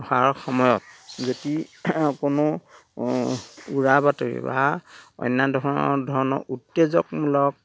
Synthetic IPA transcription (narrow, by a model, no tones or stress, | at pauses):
haɹxɔmɔjɔt̚zodikʊnʊ | uɹabatoɹḭba̰ɔ̰jnːadʱɔɹɔ̰dʱɔɹɔnɔ̰ʔutːezɔkmulɔk̚